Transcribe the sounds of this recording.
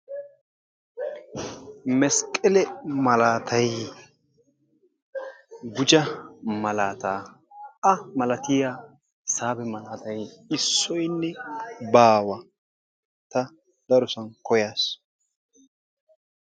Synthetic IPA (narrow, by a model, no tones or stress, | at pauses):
mɛskʼɛlɛmɐlaːt̪ʰɐj | ɡʊd͡ʒɐmɐlaːt̪aː | ʔɐmɐlɐt̪ɪja | saːbɛmɐlaːt̪ɐjɪsːɔjnːɛbaːwɐ | t̪ɐ | d̪̥ɐɾɔsɐnkɔjaːs